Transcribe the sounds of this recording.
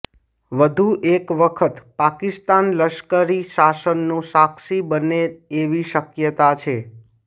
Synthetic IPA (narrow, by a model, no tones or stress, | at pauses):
ʋəd̪ʱuʔekʋəkʰət̪pakist̪anləʃkəɾiʃasənːũsakʃibəneeʋiʃəkjət̪at͡ʃʰe